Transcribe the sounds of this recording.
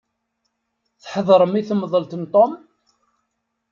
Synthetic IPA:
θħðˤɾˤəmiθmːðˤəlt̪ənt̪ˤom

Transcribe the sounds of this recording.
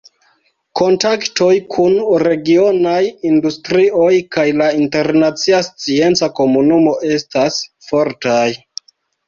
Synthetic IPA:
ko̞ntakto̞jkʰunɾe̞ɡio̞najindustɾiʔo̞jkajlainte̞ɾnat͡siast͡sie̞nt͡sako̞munumo̞ʔe̞stasfo̞ɾtaj

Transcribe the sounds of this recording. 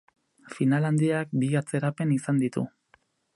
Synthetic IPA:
finaland̪iakbiat͡se̞ɾape̞nisand̪it̪ṵ

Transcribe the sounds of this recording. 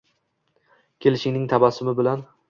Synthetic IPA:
kʲʰe̞lɪʃɪŋnɪŋt̪ʰabasʊmɪbɪlan

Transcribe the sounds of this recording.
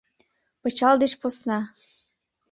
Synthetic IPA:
pɤ̆t͡ɕɑld̪eʃposnɑ

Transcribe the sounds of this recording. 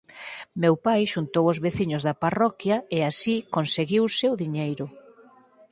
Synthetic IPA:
mewpajʃunt̪owʊzβeθiɲʊzðɐparɔkjɐeasikonseɣiwsewðiɲejɾʊ

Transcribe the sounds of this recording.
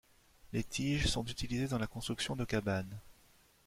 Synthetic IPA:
let̪ʰiʒsɔ̃t̪yt̪ilized̪ɑ̃lakɔ̃st̪χyksjɔ̃d̪əkʲaban

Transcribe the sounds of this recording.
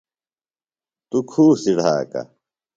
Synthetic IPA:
t̪ukʰuːsiɽ̤ʱaːka̰

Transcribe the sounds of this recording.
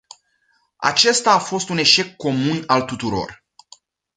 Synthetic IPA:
a̰t͡ʃe̞st̪aːfo̞st̪une̞ʃe̞kːo̞munalt̪ut̪uɾo̞̰r

